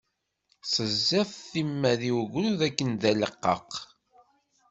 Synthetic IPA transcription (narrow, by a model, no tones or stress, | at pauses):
səzːɪθθimːæðiwɣɾuðækːənðæləqːə̰q